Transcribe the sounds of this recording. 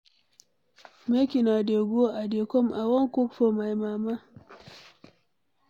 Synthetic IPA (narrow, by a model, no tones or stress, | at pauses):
mekʲinadeɡʷoʔadekɔmʔawɔŋkukfomajmaːma